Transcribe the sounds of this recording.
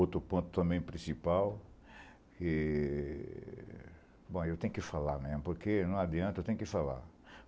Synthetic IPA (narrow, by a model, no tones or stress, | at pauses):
ot̪ɾʊpõt̪ʊ̥t̪ɐ̃mbẽj̃pɾĩsipaw | kɪ | bõewt̪ẽɲʊkɪfalaɾmezmʊpoɾkenɐ̃w̃ad͡ʒiɐ̃t̪ʊewt̪ẽjʊ̃kɪfala̰ɾ